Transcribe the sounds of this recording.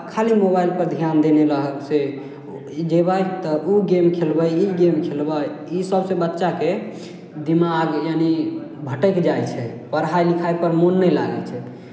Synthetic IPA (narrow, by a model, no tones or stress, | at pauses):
kʰalimobajlpəɾd̪ʱjand̪eneləɦəkse | d͡ʒebəjt̪ɔʔuɡemkʰelbəjiɡemkʰelbəisəbsẽbətːʃake | d̪imaɡjanibʱəʈəkd͡ʒajt͡ʃʰɛpəɾɦajlikʰajpəɾmonːɛjla̰ɡɛ̰t͡ʃʰɛ